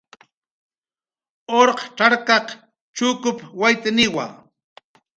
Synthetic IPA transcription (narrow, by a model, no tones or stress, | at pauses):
oɾqʈ͡ʂaɾkɑq | t͡ʃʊkʊpwajt̪anɪwa̰